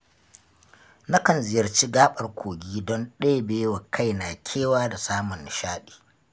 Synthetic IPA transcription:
na˦kɐ˨nzɪ˨jɐ˨rt͡ʃi˦ɡaː˦ɓɐ˨rkʷʰoː˨ɡʲiː˦dɔ˦nɗeː˦beː˦wa˨kʰa˦jna˨kʲʰeː˦waː˦da˨saː˦mʊ˨nː˨ʃaː˦ɗi̥ː˨

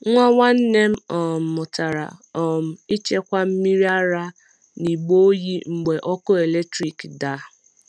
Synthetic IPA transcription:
ŋʷa˦wa˦n̩˦ne˦m̩˦ɔ˨m̩˨mʊ˨ta˨ɾa̰˨ɔ˨m̩˨i˦t͡ʃe˦kʷa˦m̩˦mi˦ɾi˦a˦ɾa˦ | ni˨ɡ͡bo˦o˦ji˦ŋ͡m̩˨ɡ͡be˨ʔɔ˦kʊ˦e˨le˦k̚tɾi˨kda˨

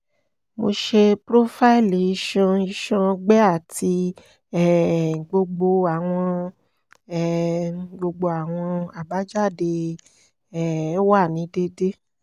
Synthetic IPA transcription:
mo˧ʃe˧pɾo˦fa˦i˦˨li˨i˨˧˦ʃɔ̃˧i˧ʃɔ̃˧ɡ͡bɛ˦a˦˨ti˧ | ɛ˨ɡ͡bo˧ɡ͡bo˧a˨w̃ɔ̃˧ | ɛ˦˨ɡ͡bo˧ɡ͡bo˧a˨w̃ɔ̃˧a˨ba˨˦d͡ʒa˦˨de˧ | ɛ˨˦wa˦˨nĩ˨˦de˧de˦

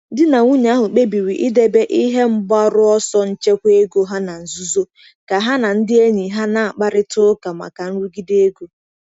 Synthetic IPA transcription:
dɪ˦na˨ŋʷu˦ɲ˨a˦ɦʊ˨k͡pe˦bi˨wi˨ʔi˦de˦be˦ʔi˦ɦe˦m̩˦ba˦ɾʊ˦ɔ˦sɔ˦n̩˦t͡ʃe˦kʷe˦ɡo˦ɦa˦na˨n̩˨zu˦zo˦ | ka˨ɦa˦na˨n̩˦dɪ˦e˦ɲi˨ɦa˦na˦˨a˨k͡pa˦ɾɪ˦tʊ˦ka˨ma̰˨ka˨n̩˦ɾu˦ɡi˦de˦ɡo˦

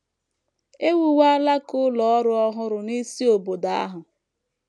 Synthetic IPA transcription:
e˦wu˨wa˦a˦la˦kʊ˦lɔ˨ɔ˦ɾʊ˦ɔ˦ɦʊ˦ɾʊ˨ni˦si˦o˨bo˨da˨a̰˦ɦʊ˨

